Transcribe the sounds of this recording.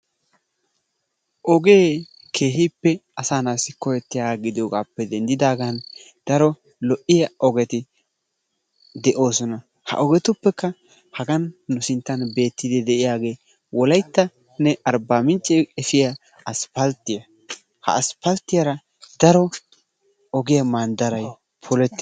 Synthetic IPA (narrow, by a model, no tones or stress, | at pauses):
ʔɔɡe̞ː | kʰe̞ːɦɪpːɛɐsaːnaːsːɪkɔjɛt̪ːɪjaːɡɪd̪oːɡaːpːɛd̪ɛnd̪ɪd̪aːɡɐn | d̪̥ɐɾɔ | lɔʔɪjɐʔɔɡɛt̪ɪ | d̪ɛʔo̞ːsɔnɐ | hɐ̰ʔɔɡɛt̪ʊpːɛkːɐ | hɐɡɐnːʊsɪnt̪ːɐnbe̞ːt̪ːɪd̪ɪd̪ɛʔɪjaːɡe̞ː | wɔlɐjt̪ːɐ | nɛɐɾbaːmɪnt͡ʃʼːɛɛfɪjɐ | ɐspɐlt̪ːɪjɐ | hɐ̰ːspɐlt̪ːɪjɐɾɐ | d̪̥ɐɾɔ | ɔɡɪjɐmaːnd̪ɐɾɐj | pʰɔlɛt̪ːɪ